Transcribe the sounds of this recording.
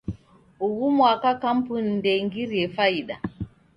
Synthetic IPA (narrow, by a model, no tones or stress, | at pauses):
uɣumwakakam̩punindɛŋɡiɾiɛfaiɗa̰